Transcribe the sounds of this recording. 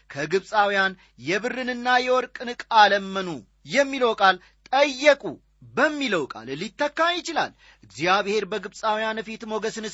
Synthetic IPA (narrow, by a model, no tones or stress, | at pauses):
kʰəɡɨβsʼawijan | jɛβɨrːɨnɨnːajɛwɔɾkʼɨnɨkʼaləmːənu | jɛmːilwkʼal | t̪ʼəjːəkʼu | bəmːiləwkʼa̰llit̪ʰːəkːamjɪt͡ʃɪla̰l | ʔʔɨɡzjaβhe̞ɾbəɡɨβsʼawjanfit̪mo̞ɡəsɨnɨ